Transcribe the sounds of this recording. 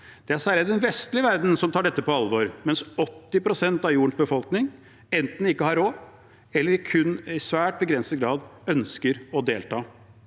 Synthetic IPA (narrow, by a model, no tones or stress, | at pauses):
d̪̥ɛæɾsæːɾəd̪ɛnʋɛst̪lɪəʋæɾd̪n̩sɔmt̪ʰɑːɖɛt̪ːəpɔɑlʋoːɾmɛnsɔt̪ːɪpʰɾʊsɛnt̪ɑʋjuːəɳ̩ʂsbəfɔlknɪŋ | ɛnt̪n̩ɪkːəhɑɾoː | ɛlːəɾɪkʰʉnːɪsʋæːʈ̚bəɡɾɛnsət̪ɡɾɑːd̪œnskəɾɔd̪eːlt̪ʰɑː